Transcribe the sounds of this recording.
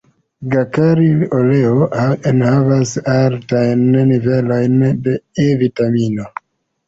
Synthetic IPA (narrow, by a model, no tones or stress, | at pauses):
ɡakaɾilole̞oenhavasaltajnnive̞lo̞jndeevitamino̞